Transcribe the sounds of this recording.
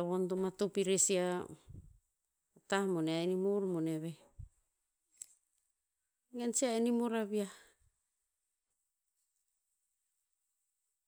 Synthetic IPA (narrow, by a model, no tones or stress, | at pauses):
βondomatupiɾesia | tahmoneaenimuɾmoneβe | ɡensiaenimoɾaβia